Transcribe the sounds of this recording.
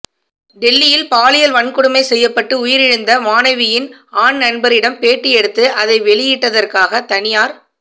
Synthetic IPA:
ɖɛlːɪjɪlpaːlɪjɐlʋɐɳkʊɽɯmɐɪsɛjːɐpːɐʈːɯʊjɪɾɪɻɯnd̪ɐmaːnɐʋɪjɪnaːɳnɐɳbɐɾɪɽɐmpeːʈːɪɛɽɯt̪ːɯʔɐðɐɪʋɛɭɪjɪʈːɐðɐrkaːɣɐt̪ɐnɪjaːɾ

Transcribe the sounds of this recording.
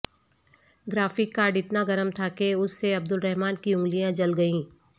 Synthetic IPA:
ɡɾaːfɪkːaːɾɖɪt̪naɡɐɾəmt̪ʰakeʊsːeɐb̚d̪ʊlɾɛɦmaːnkiʊ̃ŋɡlijãd͡ʒɐlɡɐĩː

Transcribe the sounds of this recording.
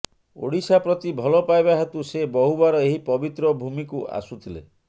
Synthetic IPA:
o̰ɽisapɾɔt̪ibʱɔlɔpajbaɦat̪usebɔɦubaɾɔeɦipɔbit̪ɾɔbʱumikuʔa̰sut̪ʰilḛ

